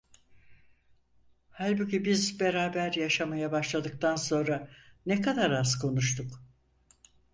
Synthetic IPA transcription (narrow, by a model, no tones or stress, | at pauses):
halʲbucibizbe̞ɾaːbæɾjaʃamajabaʃlˠad̪ɯk̚t̪ʰanso̞nɾanɛkad̪aɾazkʰo̞nuʃt̪ʰuk